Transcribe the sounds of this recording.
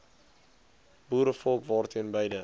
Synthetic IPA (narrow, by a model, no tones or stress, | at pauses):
buːɾəfɔlˠkvɑːrtʰiənbəjdə